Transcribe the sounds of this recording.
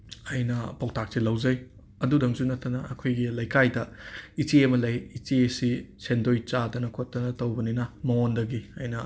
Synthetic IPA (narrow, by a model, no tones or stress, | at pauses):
ɐjnɐpaw̚tʰak̚silɐwzɐj | ɐdudɐŋsunɐtʰːɐnɐɐ̰kʰojɡilɐjkʰajdɐit͡ʃiemɐlɐjit͡ʃiesisʰendojt͡ʃadɐnɐkʰotːɐnɐtɐwbɐninɐmɐondɐɡiɐjnɐ